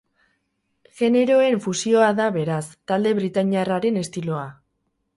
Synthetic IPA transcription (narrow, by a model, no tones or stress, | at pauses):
ʝe̞ne̞ɾo̞e̞ɱfusio̞aðaβe̞ɾast̪ald̪e̞βɾit̪aɲiaraɾe̞ne̞st̪ilo̞a